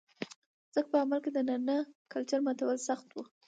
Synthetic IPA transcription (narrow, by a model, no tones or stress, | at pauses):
z̥ək̚pəamalked̪ənanəkalt͡ʃaɾmat̪awəlsaxt̪wu